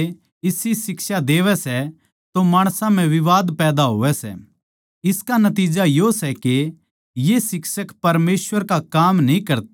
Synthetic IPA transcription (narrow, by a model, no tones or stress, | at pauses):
ɪsisɪksad̪eːʋɛsɛ | t̪omaːɽ̃sãm̤ɛ̃ʋɪʋaːd̪pɛːd̪aɦo̰ːʋɛsɛ̰ | ɪskanɐt̪̬iːd͡ʒajosɛke | jesɪksəkpɐɾmeːsʋəɾkakaːmnĩkɐɾt̪